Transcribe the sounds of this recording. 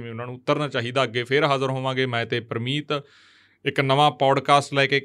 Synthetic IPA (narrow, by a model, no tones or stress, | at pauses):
mɛ̃ːʊnãːnũːt̪ːəɾnaːt͡ʃaːɦiːd̪aːəɡːeːpʰɪɾɦaːzəɾɦoːʋãːɡeːmɛ̃ːt̪eːpəɾmiːt̪ | ɪknəʋãːpɔːɖkaːsʈlɛːkeː